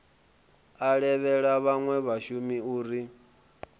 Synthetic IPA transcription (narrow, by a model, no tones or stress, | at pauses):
aɺɛβɛɺaβaŋwɛβaʃumiuːɾi